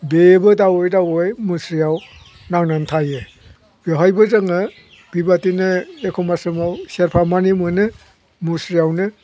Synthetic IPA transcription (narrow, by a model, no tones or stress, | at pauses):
bebɯdawɔjdawojmusɾijaw | naŋnantʰaje | eɦajbɯzaŋɯ | b̥ibatinɯekʰɔmasɯmawseɾpʰamanimɯnɯ | musɾijawnɯ